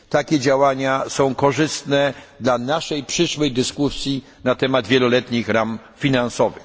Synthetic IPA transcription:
t̪akʲɛd͡ʑawaɲasɔ̃w̃kɔʐɘst̪nɛd̪lanaʂɛjpʂɘʂwɛjd̪ɘskusʲji | nat̪ɛmad̪vʲjɛlɔlɛt̪ɲixɾam | fʲinansɔvɘ̰x

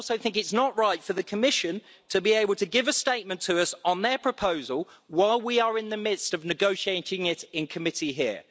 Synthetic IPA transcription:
lˠsəʊθɪ̃ŋkɪtsnəʔɹaɪtfəðəkʰəmɪʃə̃n | tʰəbieɪbl̩ˠtʰɨɡɪvəsteɪʔ̚mə̃ntʰəʌsn̩ðəpʰɹ̥əpʰəʊzəlˠ | waɪlˠwiəɹɪ̃nðəmɪd̥stəvnɪɡəʊʃieɪtʰɪ̃ŋɪtɪ̃nkʰəmɪtʰiɦɪə

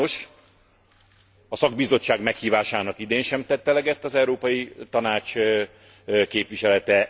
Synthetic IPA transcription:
oʃ | ɒsɒɡ̚bizo̞t͡ʃːaːɡmɛkhiːvaːʃaːnɒkid̪eːnʃɛmt̪ɛt̪ːɛlɛɡɛt̪ːɒzɛuɾoːpɒjit̪ɒnaːt͡ʃ | keːpʋiʃɛlɛt̪ɛ

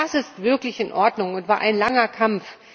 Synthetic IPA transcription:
asɪstv̥ɪɐklɪçɪnʔɔɐdnʊŋʊntv̥aːɐʔaɪnlaŋɐkʰamf

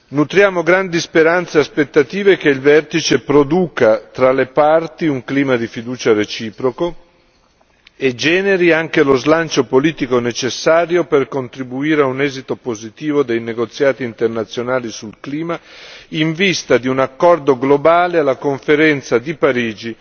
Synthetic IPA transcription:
nut̪ɾjaːmoɡɾand̪ispeɾant̪seaspet̪ːat̪iːvekeilvɛrt̪it͡ʃepɾod̪uːkat̪ɾalepart̪iuŋkliːmad̪ifid̪uːt͡ʃaret͡ʃiːpɾoko | ed͡ʒɛːneɾiaŋkelozlant͡ʃopoliːt̪ikonet͡ʃesːaːɾjoperkont̪ɾibuiːɾeaunɛːzit̪opozit̪iːvod̪ejneɡot̪sːjaːt̪iːnt̪ernat̪sːjonaːlisulkliːmaiɱvist̪ad̪iunakːɔrd̪oɡlobaːlealːakoɱfeɾɛnt̪sad̪ipaɾiːd͡ʒi

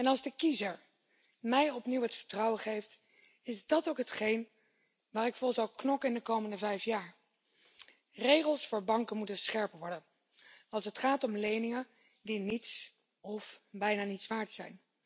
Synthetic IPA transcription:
ɛnɑlˠzdəkizəɹ | mɛjɔpniwɦətfəɹtrɑwəχejft | ɪzdɑtowkɦətχejn | ʋaːɾɪkfɔlsɑwknɔkɪndəkowməndəvɛjfjaːɹ | rejχəlˠsfʊːɹbɑŋkəmutənsχɛɹpʋɔɹdən | ɑlˠsətχaːtɔmlejnɪŋə | dinits | ɔfbɛjnaːnitsʋaːɹdsɛ̰jn

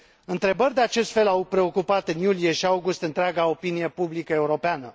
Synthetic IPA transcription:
ɨnt̪ɾe̞bərʲd̪eat͡ʃe̞st̪fe̞lawpɾe̞o̞kupat̪ɨnjulije̞ʃiawɡust̪ɨnt̪ɾʲeaɡao̞pinije̞publikəe̞uɾo̞peanə

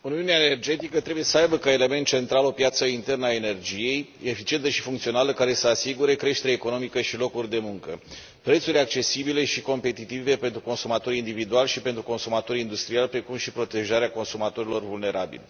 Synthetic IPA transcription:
uniuneaene̞rd͡ʒe̞t̪ikət̪ɾe̞buje̞səajbəkae̞le̞me̞nt̪̚t͡ʃe̞nt̪ɾalopjat̪səint̪e̞rnəae̞ne̞rd͡ʒije̞jefit͡ʃie̞nt̪əʃifuŋkt̪sio̞naləkaɾe̞səasiɡuɾe̞kɾe̞ʃt̪e̞ɾeːeko̞no̞mikəʃilo̞kurʲd̪e̞muŋkə | pɾet̪suɾʲak̚t͡ʃe̞sibile̞ʃiko̞mpe̞t̪it̪ive̞pent̪ɾuko̞nsumat̪o̞ɾind̪ivid̪ualʃipe̞nt̪ɾuko̞nsumat̪o̞ɾind̪ust̪ɾialpɾe̞kumʃipɾo̞t̪e̞ʒaɾeako̞nsumat̪o̞ɾilo̞rvulne̞ɾʔabḭlʲ

